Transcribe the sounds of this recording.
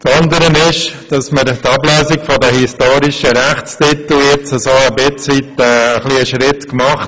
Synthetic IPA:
t͡sɑnd̪əɾənɪʃd̥ɑsməɾt̪ɑblœːsɪkfɔdɛhistoːɾɪʃəɾæχt͡stit̪l̩jɪt͡səsoːəbɪt͡sʋit̪ɛːəχliəʃɾɪtkmɑχt

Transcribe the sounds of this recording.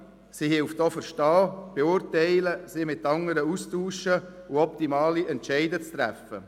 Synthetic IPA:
sihɪlftoːfəɾʃtɑːb̥eʊɾtɛɪləsɪmɪtːɑŋəɾəustuːʃə | ʊɔptimɑːliɛntʃɛɪdət͡st̪ɾæ̰fə̰

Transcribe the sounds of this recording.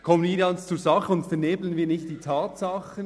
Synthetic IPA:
kʰɔmənviːɾɡɑnst͡suːɾzɑχəʊntfɛɾneːblənviːɐnɪçtd̥iːtʰaːtsɑxən

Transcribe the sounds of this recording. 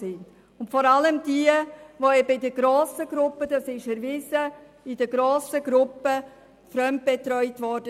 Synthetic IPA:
ɪnd | ʊntfɔɾɑləmdiəvoɛbəɪdəɡɾoːsəɡ̥ɾʊpːəd̥ɑsɪʃɛɾvɪːzə | ɪdəɡɾoːsəɡɾʊpːə | fɾœmt̚b̥ɛtɾœʏtvɔɾd̥ə

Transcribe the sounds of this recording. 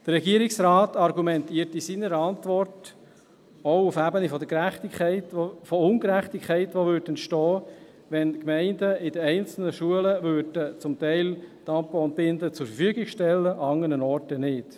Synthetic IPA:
d̥ərɛɡiəɾɪksɾaːtɑrɡumɛntiːɾtisiːnəɾəɑntʋɔrt | oʊʊfæbənifɔd̪əkɾæχt̪ikɛɪtfɔʊnkɾæχt̪ikʰːɛɪtʋoʋʏɾdn̩ʃtɔː | ʋɛnkmɛɪndəɪdəɛɪnt͡sl̩nəʃuələʋøɾdət͡sʊmtɛɪlt̪ɑmpəʊnt̚b̥ɪnd̪ət͡sʊɾfəfyəɡɪɡʃtɛlːəʔɑɑŋːənənɔrtənɪt

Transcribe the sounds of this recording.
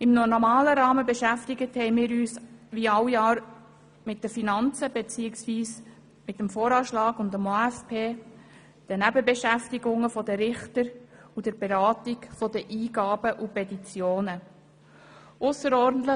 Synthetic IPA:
ɪmnɔnɔmɑːləɾɑːməbeʃæftɪɡəthɛɪmɪːɾyːsʋiɑwjɑːɾ | mɪt̚d̥əɾfinɑnt͡səbet͡siːɪksʋiːs | mɪtəmfoːɾɑːʃlɑːɡʊndəmoæfpʰeː | d̥ənæbəbeʃæftiɡʊŋəfɔdəɾɪχtəɾud̥əɾb̥eɾɑːtiɡfɔdəʔiːɡɑːb̥əʔupɛtit͡sjoːnə | ʔʊsəɾɔɾdn̩t̪lə

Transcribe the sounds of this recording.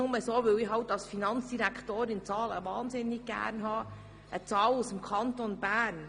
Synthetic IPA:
ʊməsoːʋʏlɪːhɦɑltɑlsfinɑnt͡sd̥iɾækʰtoːɾɪnt͡sɑːlə̰ʋɑːnzɪnːɪɡ̚ɡæ̰ːɾnɦɑː | ʔət͡sɑːlusəmkʰɑntonbæːn

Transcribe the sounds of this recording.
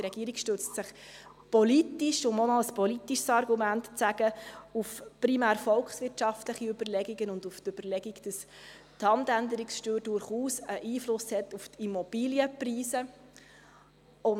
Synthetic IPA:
tɾɛɡiəɾikʃtøt͡stsɪχ | pɔlitiʃʊmonɑəspɔlit̪ːiʃsɑɾɡumæntt͡sæɡ̥əufpɾimæːɾfɔlkχsʋɪtʃɑftləχiøb̥əɾlɛɡiɡənʊnduftøb̥əɾlɛɡiɡd̥əs | thɑntændəɾiksʃtøːɾdʊɾχuːsəʔiːflʊshɛt̪uftʰimɔb̥iːljəpriːsə | ʊn

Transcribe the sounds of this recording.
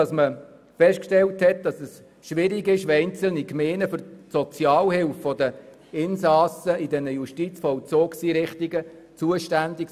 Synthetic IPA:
ɑsmə | fɛʃtkʃtɛlthɛt̚d̥ɑsəs | ʃʋɪɾɪɡɪʃʋɛɪnt͡səl̩nikmeːnəfʏɾsɔt͡sjɑːlhɪlffɔdə | ɪnsɑsəidɛnəjuʃtit͡sfɔwt͡soːksiːɾɪχtiɡə | t͡suəʃtændik

